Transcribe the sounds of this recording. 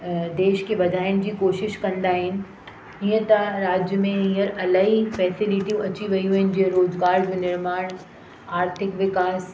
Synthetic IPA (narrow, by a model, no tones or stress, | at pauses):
d̪eːʃkeʋɐd̪ʱaːɪnɪ̆d͡ʑiːkoːʃɪʃkɐ̃nd̪aːɦɪnɪ̆ | ɪ̃ɦə̃t̪ɐɾaːd͡ʑjəmẽĩɦəɾɐlaːifɛːsɪlɪʈiũʔɐt͡ɕiʋɐiuuɪnɪ̆d͡ʑiə̃ɾoːd͡ʒɡaːɾd͡ʑunɪɾmaːɽ̃ | aːɾt̪ʰɪkʋɪkaːs